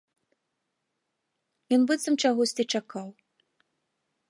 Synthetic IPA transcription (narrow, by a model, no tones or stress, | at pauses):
jɔnbɨt̪sɐmt͡ʂaɣɔsʲt͡sʲit͡ʂakaw